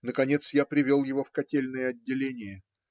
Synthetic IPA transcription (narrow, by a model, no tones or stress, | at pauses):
nəkɐnʲe̞t̪sjapɾʲɪvʲolˠjɪvofkɐtʲelʲnəjəɐdʲːɪlʲenʲɪjə